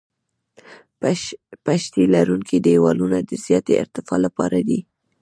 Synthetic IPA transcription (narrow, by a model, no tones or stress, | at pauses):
paʃt̪ilaɾuŋkʰid̪ewɑlunad̪əz̥jɑt̪eɪ̰ɾt̪ɪfɑlapɑ̰ɾad̪i